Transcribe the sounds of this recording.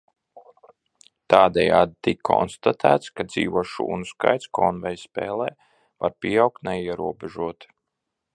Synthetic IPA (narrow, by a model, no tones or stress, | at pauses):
t̪aːd̪ɛja̰ːd̪̚it̪ikkʰɔ̰nst̪at̪ʰæːt̪skad̪zḭːʋuʃṵːnuska̰jt̪skɔːnvɛjspɛ̰ːlˠɛː | va̰ɾpʲiɛawk̚t̪nɛjiɛɾuɔbɛʒuɔt̪